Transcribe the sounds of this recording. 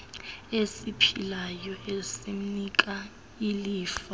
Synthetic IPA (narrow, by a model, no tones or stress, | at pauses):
esipʰilajɔesim̩nikʼa | iliːfa